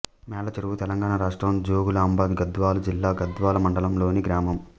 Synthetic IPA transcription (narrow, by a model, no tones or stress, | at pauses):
mɛːlɐt͡ʃɐɾuʋut̪ɛlɐŋɡaːɳaɾaːʂʈɾɐmd͡ʒoːɡulaːmbaːd̪ɡɐd̪ʋaːlɐd͡ʒilːaːɡɐd̪ʋaːlɐmɐɳɖɐlɐmlo̞ːniɡɾaːmɐm